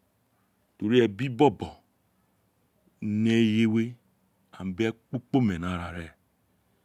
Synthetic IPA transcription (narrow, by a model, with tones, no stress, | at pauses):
to˨ɾi˦e˨bi˦bɔ˦bɔ˨˦ | ne˦je˦we˦ | a̰˨m˨be˦k͡po˦k͡po˦me˨na˨ɾa˨ɾe˨